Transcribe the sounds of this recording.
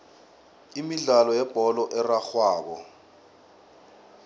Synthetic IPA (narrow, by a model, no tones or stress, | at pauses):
imiɮalɔjɛb̥ʱɔlɔʔɛraxwaːɓɔ̰